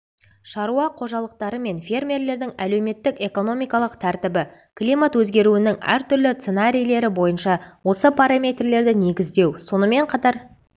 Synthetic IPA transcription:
ʃɑɾuɑqʰo̞ʒɑlˠəq̚t̪ɑɾəme̞nfʲe̞rmʲe̞rle̞ɾd̪ɪŋæle̞wme̞t̪ːɪke̞ko̞no̞mijkɑlˠəqt̪ʰæɾt̪ɪbɪ | klijmat̪wɵzɡʲe̞ɾuɪnɪŋæ̰ɾt̪ʰʏɾlɪt̪se̞naɾʲijle̞ɾɪbo̞jənʃɑwo̞səpʰaɾamʲe̞t̪rle̞ɾd̪ɪne̞ɡʲɪzd̪e̞wso̞nəme̞ɴqʰɑt̪ɑɾ

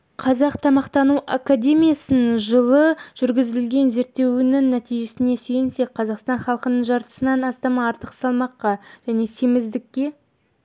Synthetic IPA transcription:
qʰɑzɑqt̪ʰɑmɑqt̪ɑnuʔakad̪ʲe̞mʲijasənʒəlˠəʒ̥ʏɾɡʲɪzɪɪlɡʲe̞nze̞ɾt̪ːe̞wɪnɪŋːæt̪ijʒe̞sɪne̞søjɪnse̞k̚qʰɑzɑqst̪ɑnχɑlˠəqənəɴʒɑɾt̪ə̥sənɑnɑst̪ɑmɑːɾt̪əqsɑlˠmɑqːɑʒ̥æne̞se̞mɪzd̪ɪkʲːe̞

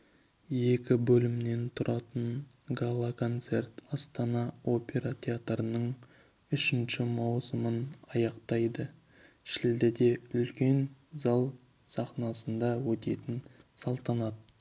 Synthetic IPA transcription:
je̞kʲɪbɵlɪmne̞nt̪ʰʊɾʔɑt̪əɴ | ɡalˠːakʰo̞nt̪se̞rt̪ɑst̪ɑnɑo̞pʲe̞ɾat̪ʲʰe̞at̪ɾənəɴ | ʏʃɪnʃɪmɑwsəmənɑjɑqt̪ɑjd̪ə | ʃɪld̪ɪd̪e̞ʏlkʲe̞nzɑlˠ | sɑχnɑsənd̪ɑwɵt̪e̞t̪ɪnsɑlˠt̪ɑnɑt̪ː

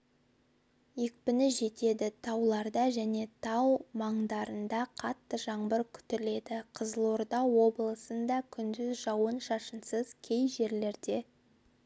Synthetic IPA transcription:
jek̚pɪnɪʒe̞t̪e̞d̪ɪt̪ʰɑwlˠɑɾd̪ɑʒæne̞t̪ʰɑwmɑɴd̪ɑɾənd̪ɑqʰɑt̪ːəʒɑɴbəɾkʲʰʏ̥t̪ɪle̞d̪ɪqʰəzəlˠoɾd̪ɑo̞blˠəsənd̪ɑkʲʰʏnd̪ʏzʒɑwənʃɑʃənsəz̥kʲʰe̞jʒe̞ɾle̞ɾd̪e̞

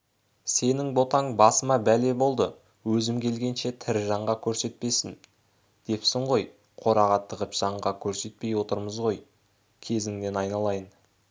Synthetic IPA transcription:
se̞nɪŋbo̞t̪ɑŋbɑsəmɑbæle̞bo̞lˠd̪ə | wɵzɪmkʲʰe̞lɡʲe̞nʃe̞t̪ʰɪɾʒɑɴʁɑkʲʰɵɾse̞t̪̚pe̞sɪn | d̪̥e̞psɪɴʁo̞j | qʰo̞ɾɑʁɑt̪ːəʁəpʒ̥ɑɴʁɑkʲʰɵɾse̞t̪̚pe̞jwo̞t̪əɾməzʁo̞j | kʲʰe̞zɪŋne̞nɑjnɑlˠɑjəɴ

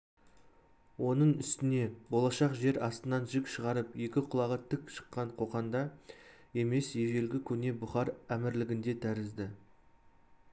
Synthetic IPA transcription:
wo̞nəɴʏst̪ɪne̞bo̞lˠɑʃɑqʒe̞ɾɑst̪ənɑnʒɪkʃəʁɑɾəpje̞kʲɪqʰʊlˠɑʁət̪ʰɪkʃə̥qːɑɴqʰo̞qɑnd̪ɑje̞me̞sje̞ʒe̞lɡʲɪkʲʰɵne̞bʊχɑɾæmɪɾlɪɡʲɪnd̪e̞t̪ʰæɾɪzd̪ɪ

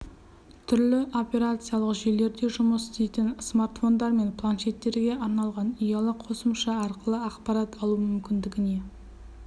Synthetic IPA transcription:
t̪ʰʏɾlɪʔo̞pe̞ɾat̪sɨijalˠəqʒejle̞ɾd̪e̞ʒʊməsst̪ejt̪ɪnsmart̪fo̞nd̪ɑɾme̞npʰlˠanʃe̞t̪ːe̞ɾɡʲe̞ʔɑɾnɑlˠʁɑnijɑlˠəqʰo̞səmʃɑɑɾqəlˠəɑqpɑɾɑt̪ʰɑlˠumʏmkʲɪnd̪ɪɡʲɪne̞

